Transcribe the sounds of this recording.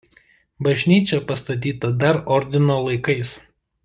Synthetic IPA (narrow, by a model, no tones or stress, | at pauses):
bɐʒʲnʲiːt͡ʃʲɛpɐst̪ɐt̪̬ʲiːt̪ɐd̪ɐɾɔɾʲd̪ʲɪnoːlˠɐɪkɐɪs